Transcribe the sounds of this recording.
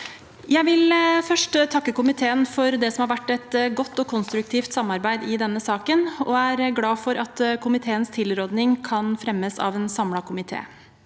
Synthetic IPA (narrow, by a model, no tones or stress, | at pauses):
jæɪʋɪlfœʂʈt̪ʰɑkːəkʊmɪt̪ʰeːənfɔɾd̪ɛsɔmhɑɾʋæʈːɛt̪ɡɔt̪ːɔkʰʊnst̪ɾʉk̚t̪ʰiːft̪sɑmɑɾbæɪd̪ɪd̪ɛnːəsɑːkənɔæːɾɡlɑːfɔɾʔɑt̪kʰʊmɪt̪ʰeːənst̪ʰɪlɾoːd̪nɪŋkʰɑnfɾɛmːəsɑ̰ːʋɛːnsɑmlɑkʰʊmɪt̪ʰḛː